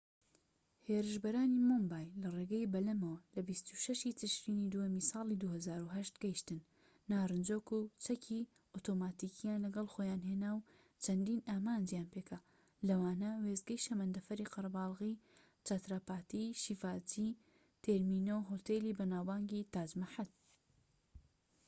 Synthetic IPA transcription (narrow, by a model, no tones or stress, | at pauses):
heːɾɨʃbɐɾaːnimombaːjlɐreɡɐjbɐlɐmɐwɐlɐbist̪uʃɐʃit͡sɨʃɾiːnid̪ujɐmisɑːlˠid̪uhɐzaːɾuɦɐʃt̪ɡɐjiʃt̪ɨnː | aːrɨnd͡ʒoːkut͡sʰɐkʰi | ot̪ʰomaːt̪iːkʰijaːnlɐɡɐlˠxojaːnɦeːnaːw | t͡ʃʰɐnd̪iːnaːmaːnd͡ʒjaːnpeka | lɐwaːnɐwezɡɐjʃɐmɐnd̪ɐfɐɾiqɨɾɐbɑːlˠɣi | t͡ʃat̪ɾapaːt̪iʃifaːt͡si | t̪ʰeɾmiːnowɦot̪elibɐnaːwbaːŋɡit̪aːd͡ʒmaħat̪̚